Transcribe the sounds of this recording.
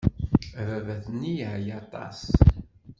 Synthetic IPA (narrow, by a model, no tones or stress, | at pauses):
vævæθnːijʕjɑt̪ˤɑ̰s